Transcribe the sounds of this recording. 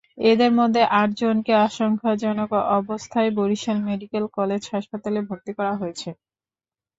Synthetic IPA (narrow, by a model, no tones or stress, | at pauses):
ed̪eɾmod̪ʱːeʔaʈ̚d͡ʑonkeaʃoŋkʰad͡ʑɔnokoʔɔbost̪ʰaeboɾiʃelmeɖikelkɔled͡ʑhaʃpat̪alebʱoɾt̪ikɔɾaɦoet͡ɕʰe